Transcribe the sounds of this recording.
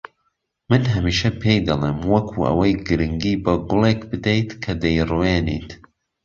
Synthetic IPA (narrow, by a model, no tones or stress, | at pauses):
mɨnɦɐmiːʃɐpʰejd̪ɐlˠeːmwɐkʰuːʔɐ̰wɐjɡɨɾɨŋɡiːbɐɡʊlˠekbɨd̪ejt̪kʰɐd̪ɐjruweːnḭːt̪